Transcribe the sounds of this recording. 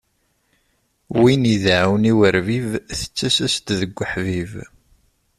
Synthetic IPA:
winiðʕawniwəɾvivθə̥t͡sːæsæst̪ðəɡʷːəħviv

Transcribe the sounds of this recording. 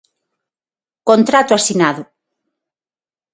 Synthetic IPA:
kont̪ɾat̪ʊasinaðʊ

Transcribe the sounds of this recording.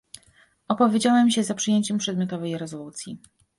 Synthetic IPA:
ɔpɔvʲjed͡ʑawɛmɕɛzapʂɨjeɲt͡ɕɛmpʂɛd̪mʲjɔt̪ɔvɛjɾɛzɔlut̪sʲji

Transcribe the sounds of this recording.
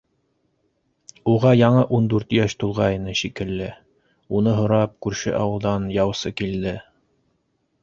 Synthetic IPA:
uʁɑjɑɴɤʔund̪ʉɾt̪jæʃt̪ulˠʁɑjɤ̆nɤʃikɘ̆lːɘ | unɤɦŏɾɑp̚kʉɾʃɘ̰ʔɑ̰wɤ̆lˠd̪ɑnjɑwsɤkild̪ɘ

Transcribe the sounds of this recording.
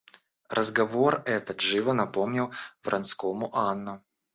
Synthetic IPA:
rʔəzɡɐvorɛt̪ət̪ʐɨvənɐpomnʲɪwvɾʔɐnskomʊʔanːʊ

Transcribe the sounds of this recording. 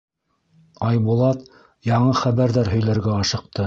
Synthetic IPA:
ɑjbulˠɑt̪ | jɑɴɤχæβæɾðæɾɦɵ̆jlæɾɡæɑʃɤ̆q̚t̪ɤ

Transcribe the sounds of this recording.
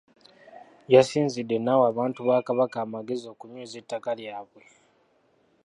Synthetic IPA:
jasiːnzidːe̞nawaβaːntuβaːkaβakaːmaɡe̞zo̞ːkuɲuːzetːakaljaːβwe̞

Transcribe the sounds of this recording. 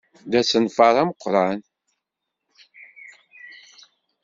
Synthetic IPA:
ðæsənfɑɾˤæməqʷːɾˤɑn

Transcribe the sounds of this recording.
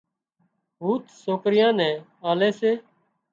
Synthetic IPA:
buːt̪soːkɾɪjãːnɛ̃ː | aːleːseː

